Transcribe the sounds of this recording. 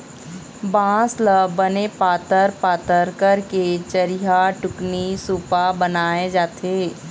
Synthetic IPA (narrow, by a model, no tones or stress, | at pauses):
bãːsləbənepaːt̪əɾpaːt̪əɾkəɾket͡ʃəɾiɦaʈʊknisuːpabənaːed͡ʒaːt̪eː